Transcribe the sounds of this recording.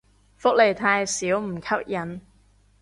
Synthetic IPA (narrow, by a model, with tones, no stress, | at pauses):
fʊ˥k̚le˨˩jt̪ʰaː˧jsiː˨˥wm̩˨˩kʰɐ˥p̚jɐ˨˥n